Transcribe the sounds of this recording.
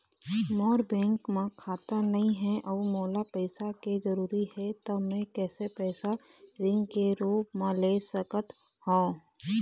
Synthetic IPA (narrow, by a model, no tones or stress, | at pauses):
mɔːɾbɛ̃ːŋkmẽkʰaːt̪anɐɦĩɦɛ̃ʔɔːmɔːlapɛːɪsakezəɾuːɾihɛt̪omẽkɛːsepɛːsa | ɾɪ̃ŋɡkeɾoːpmẽleːsəkət̪ | hõː